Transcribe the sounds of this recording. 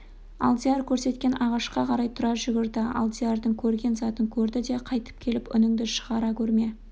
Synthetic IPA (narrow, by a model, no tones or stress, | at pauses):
ɑ̰lˠd̪ijɑɾkʲʰɵɾse̞t̪kʲe̞nʔɑʁɑʃqɑqʰɑɾɑjt̪ʰʊɾɑʒʏɡʲɪɾd̪ɪɑ̰lˠd̪iɑrd̪əŋkʲʰɵɾɡʲe̞nzɑt̪əŋkʲʰɵɾd̪ɪd̪e̞qʰɑjt̪ə̥p̚kʲʰe̞lɪpʏ̰nɪŋd̪ɪʃə̥ʁɑɾɑkʲʰɵɾme̞